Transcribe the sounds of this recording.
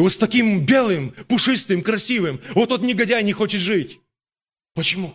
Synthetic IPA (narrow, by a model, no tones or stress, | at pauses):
vot̪st̪ɐkʲimbʲe̞lˠɨmpʊʂɨst̪ɨmkɾɐsʲivɨmvot̪ot̪nʲɪɡɐdʲajnʲɪxo̞t͡ɕɪt̪ʐɨtʲ | pət͡ɕɪmu